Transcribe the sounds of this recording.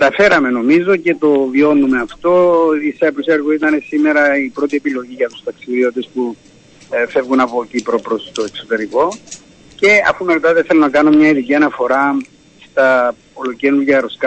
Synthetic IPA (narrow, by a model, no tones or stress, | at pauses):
kɐt̪ɐfe̞ɾɐme̞no̞mizo̞ce̞t̪o̞vio̞nume̞ɐft̪o̞iseɐpɾoseɾɣoit̪ɐne̞sime̞ɾɐipɾo̞t̪̬ie̞pilo̞ʝiʝɐt̪u̥st̪ɐksiðio̞t̪e̞spu | fe̞vɣunɐpocipɾopɾo̞st̪o̞ekso̞t̪e̞ɾiko̞ | ce̞ɐ̰fume̞ɾot̪ɐðeθelonɐkɐnomɲɐiðiciɐnɐfo̞ɾɐ | st̪ɐ | olocenuʝɐɾo̞skɐ